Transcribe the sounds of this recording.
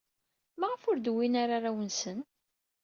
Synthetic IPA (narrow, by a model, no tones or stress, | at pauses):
maʁəfʊɾd̪winaɾaɾawənsən